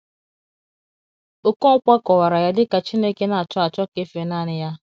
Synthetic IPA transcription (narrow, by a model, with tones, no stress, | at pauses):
o˨ko˦ŋ̩˦kʷa˦kɔ˨wa˨ɾa˨ja˦dɪ˦ka˨t͡ʃi˦ne˦ke˦na˨a˨t͡ʃɔ˦a˨t͡ʃɔ˦ke˦fe˨na˦˨nɪ˦ja˦